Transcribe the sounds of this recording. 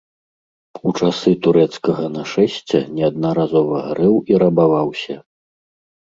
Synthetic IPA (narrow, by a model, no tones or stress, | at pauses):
ut͡ʂasɨt̪uɾɛt̪skɐɣɐnɐʂɛsʲt͡sʲɛ̰nʲɛad̪̚nɐɾazɔvɐɣaɾɛwiɾɐbavawsʲɐ